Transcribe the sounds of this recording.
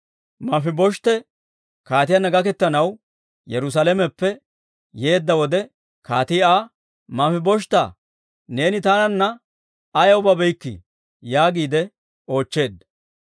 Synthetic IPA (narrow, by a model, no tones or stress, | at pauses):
mɐfɪbɔʃt̪ɛ | kaːt̪ɪjɐnɐɡɐkɛt̪ːɐnɐw | jɛɾʊs̬alɛmɛpːɛ | je̞ːd̪ːɐwɔd̪ɛ | kaːt̪ɪaː | mɐfɪbɔʃt̪ɐ̰ | ne̞ːnɪt̪aːnɐnːɐː | jɐwʊbɐbɛjkːɪ̰ | jaːɡiːd̪ɛ | o̞ːt͡ʃːe̞ːd̪ɐ